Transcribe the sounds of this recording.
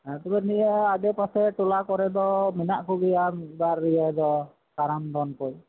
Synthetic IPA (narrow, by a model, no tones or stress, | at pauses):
at̪ɔbɛnijaadɛpasɛʈɔlakɔɾɛd̪ɔminaʔkuɡijambaɾːijad̪ɔ | kaɾamd̪ɔnkɔj